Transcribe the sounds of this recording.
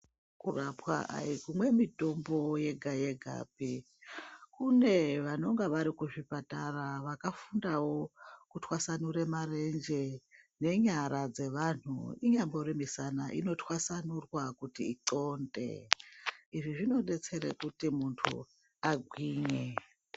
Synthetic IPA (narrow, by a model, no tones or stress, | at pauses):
kurapwa̰ʔa̰ikumwe̞mito̞mbo̞je̞ɡʱajeɡʱa̰ːp̚i | kune̞ʋano̞ŋɡaʋaɾikuʐipataraʋakafundawo̞kutʰwasanuɾemare̞nd͡ʒe̞ne̞ɲaɾad͡ze̞ʋan̤ṵiɲamborimisanaʔḭno̞twasanurwakutiiǀo̞ndḛ | iʐiʐino̞ɗe̞t͡se̞ɾḛkutimuntʰṵ | aɡʱwiːɲe